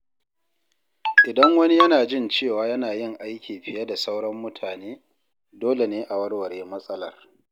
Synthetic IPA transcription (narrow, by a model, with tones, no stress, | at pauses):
ʔɪ˨dɐ˦ŋwɐ˦ni˦jɐ˦naː˨d͡ʒɪ˦˨nt͡ʃeː˦˨waː˦jɐ˦naː˨jɪ˦˨ŋʔa˦jkʲiː˨ɸɪ˨jɐ˦da˨sa˦wɽɐ˦mːʊ˦tʰaː˨neː˦ | doː˦le˨neː˦ʔa˨wɐ˦rwɐ˨ɾeː˦mɐ˦sʼɐ˦lɐ˨r